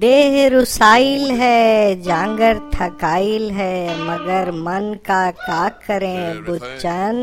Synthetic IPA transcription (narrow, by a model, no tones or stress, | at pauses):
d̪eːɦɾʊsaːɪlɦɛːd͡ʒãːŋɡəɾt̪ʰɐkaːɪlɦɛmɐɡəɾmɐnkakaːkʰːɐɾẽbʊt͡ʃən